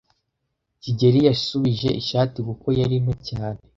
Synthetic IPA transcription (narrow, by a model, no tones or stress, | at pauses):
ciɟe̞ɾijasuβiʒe̞ʔiʃaːtikuko̞jaɾimocaːne̞